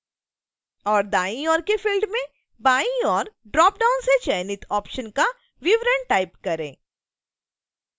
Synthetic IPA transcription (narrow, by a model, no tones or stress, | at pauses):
ɔːɾd̪aːĩɔːɾkefɪlɖmẽ | baːĩɔːɾɖɾɔːp̚ɖaːʊnset͡ʃɛːnɪt̪ʰɔːpʃənka | ʋɪʋɾə̃ɳʈʈaːɪpkɐɾẽː